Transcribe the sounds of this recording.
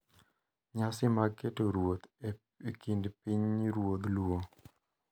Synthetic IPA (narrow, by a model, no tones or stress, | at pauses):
ɲasɪmaɡketoɾwot̪ | ekindpiɲɾwod̪lwo